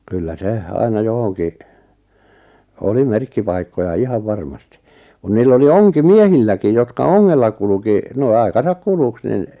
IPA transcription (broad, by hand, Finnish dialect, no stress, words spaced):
kylːæ se ɑinɑ johoŋki oli merkːipɑikːojɑ ihɑʋ ʋɑrmɑsti kun niːlː oli oŋkimiehilːækij jotkɑ oŋːelːɑ kuluki noi̞ ɑi̞kɑsɑk kuluks nin